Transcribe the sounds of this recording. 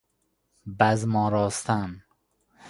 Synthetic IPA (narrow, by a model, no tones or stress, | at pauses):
bæzmɒːɾɒːst̪æm